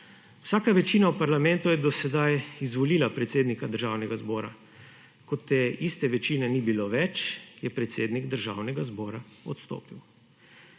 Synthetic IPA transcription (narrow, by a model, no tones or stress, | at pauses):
wsaːkaʋɛt͡ʃiːnawpaɾlamɛnt̪ujɛd̪ɔsɛd̪ajizʋɔliːlapɾɛt̪seːd̪nikad̪əɾʒaːwnɛɡazbɔːɾa̰ | kɔt̪ːeist̪ɛʋɛt͡ʃiːnɛnibiloʋɛt͡ʃjɛpɾɛt̪seːd̪niɡd̪əɾʒaːwnɛɡazbɔːɾaɔt̪st̪o̰ːpiw